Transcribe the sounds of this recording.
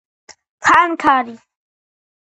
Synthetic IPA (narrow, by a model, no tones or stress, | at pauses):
kʰaŋkʰaːɾi